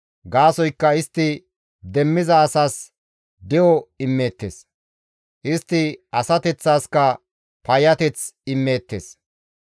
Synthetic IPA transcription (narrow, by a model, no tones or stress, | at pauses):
ɡaːsɔjkːɐɪst̪ːɪ | d̪ɛmːɪzɐːsaːs | d̪ɛɔɪmːe̞ːt̪ːḛːs | ʔɪst̪ːɪɐsɐt̪ɛt͡sːaːskɐ | pɐjɐt̪ɛt͡sɪmːe̞ːt̪ːḛːs